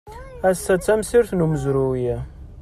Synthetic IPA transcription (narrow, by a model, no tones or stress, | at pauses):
æsːæt͡sːæmsiɾθnuməzɾujæ